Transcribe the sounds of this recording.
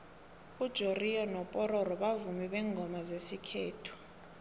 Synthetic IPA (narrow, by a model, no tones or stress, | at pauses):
ud̥ʒ̥ʱoriɔnɔpʼɔɾɔɾɔɓavumiɓɛŋɡʱɔmazesikʰeːtʰu̥